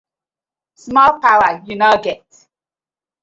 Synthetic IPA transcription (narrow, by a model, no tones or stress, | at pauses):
smɔlpaʊəjunoʊɡɛt